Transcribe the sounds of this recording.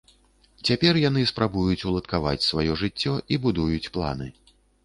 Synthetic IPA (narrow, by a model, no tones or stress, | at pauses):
t͡sʲapʲɛrjan̪ɨspɾabujut͡sʲulˠɐt̪kava̰t͡sʲsvajɔʐɨt͡sʲːɔʔibud̪ujut͡sʲplˠa̰nɨ